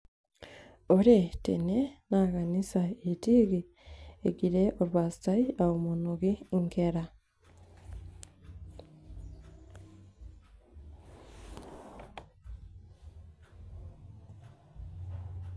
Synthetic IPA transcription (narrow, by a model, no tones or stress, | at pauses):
oɾetḛnenakanisaetiːɣi | eɡiɾeʔoɾwasi̥taiaomonoɣiŋkeɾa